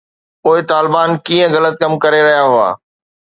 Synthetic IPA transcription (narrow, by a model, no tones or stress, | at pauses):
poːɪt̪aːlɪbaːnkiːə̃ɣɐlət̪̚kɐmkɐɾeɾɐɦjaɦʊa̰ː